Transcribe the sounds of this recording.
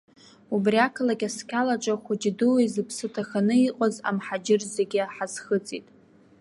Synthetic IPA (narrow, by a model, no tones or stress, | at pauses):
ubriakʰalakʲʼaskʲʰalaʈ͡ʂʼaχʷʊd͡ʒdɨwizɨpʰsɨtʰaχanɨiqʼaza̰mħad͡ʒɪrzeɡʲɪħazχət͡sʼitʼ